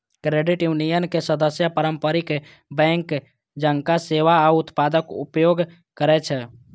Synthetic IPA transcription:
kɾeɖiʈjunijənkesəd̪əsjəpəɾəmpəɾik | bɛ̃ŋk | d͡ʒəŋkaseʋaaut̪pad̪əkṵpjoɡ | kəɾɛt͡ʃʰɛ

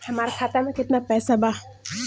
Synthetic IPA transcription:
hɐmaːɾakʰaːt̪amẽkɪt̪napɛːsabaː

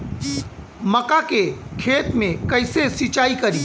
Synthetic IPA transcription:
məkakekʰeːt̪mẽkəɪsesɪt͡ʃaːikəɾiː

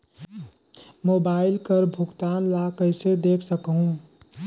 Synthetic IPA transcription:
moːbaːɪlkəɾbʱʊkt̪aːnlakəɪsed̪eːkʰsəkɦũ

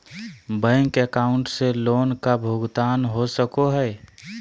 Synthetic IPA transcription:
bə̃ŋkekaʊɳʈseloːnkabʱuɡt̪aːnɦosəkoɦɛe

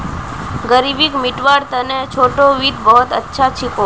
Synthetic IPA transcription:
ɡəɾibikmiʈʋaɾt̪ənet͡ʃʰoʈoʋid̪bəɦot̪ətːʃʰat͡ʃʰiko

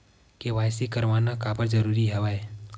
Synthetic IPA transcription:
keʋajsikəɾʋanakabəɾd͡ʒəɾuɾiɦɛʋae

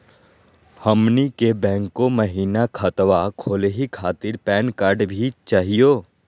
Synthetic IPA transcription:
həmnikebɛ̃ːŋkoməɦiːnakʰət̪wakʰoːleɦikʰaːt̪ɪɾpɛːnkaːɾɖbʱit͡ʃaːɦijoː

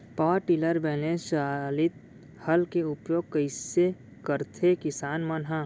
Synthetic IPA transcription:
paʋəɾʈiləɾbɛːnesaːlɪt̪̚ | hɐlkeʊpjoːɡ̚kəɪse | kəɾt̪ʰekɪsaːnmənɦã

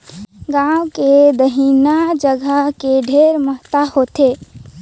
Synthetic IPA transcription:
ɡãwked̪əɦinad͡ʒəɡʱəkeɖʱeɾməɦt̪ahot̪e

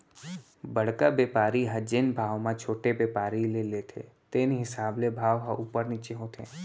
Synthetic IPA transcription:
bəɽ̤kabeːpaːɾiɦə̃d͡ʒɪnbʱaːʋmãt͡ʃʰoːʈebeːpaːɾilelet̪ʰḛt̪eːnɦɪsaːblebʱaːʋɦəʔuːpəɾnit͡ʃeɦoːt̪ʰḛː

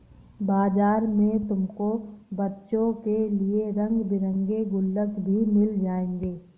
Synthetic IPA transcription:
baːd͡ʒaːɾmẽt̪ʊmkobɐtːʃõkelieɾɐ̃ŋɡbɪɾə̃ŋɡeɡʊlːəkbʱimɪld͡ʒaːẽːŋɡeː

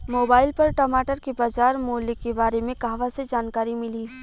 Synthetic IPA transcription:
moːbaːɪlpɐɾʈɐmaːʈəɾkibaːd͡ʒaːɾmoːlɪkebaːɾemẽkaɦʋased͡ʒaːnkaːɾimɪliː

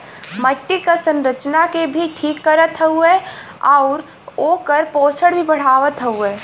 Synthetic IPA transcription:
məʈːikəsənɾət͡ʃnakebʱiʈʰiːkːəɾət̪ɦɐueɔʊɾ | oːkəɾpoːsʰəɽbʱibəɽ̤aːʋət̪ɦəueː

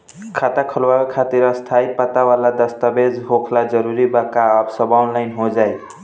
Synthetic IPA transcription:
kʰat̪akʰʌlwakkʰat̪iɾʌst̪ʰajpʌt̪awalad̪ʌst̪abed͡zɦokʰlad͡zʌɾuɾibakaʌbsʌbawnlajnɦod͡zaj

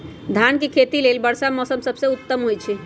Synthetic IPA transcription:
d̪ʱankekʰet̪ilelbəɾsamɔsəmsəbʱseut̪ːəmɦojt͡ʃʰi

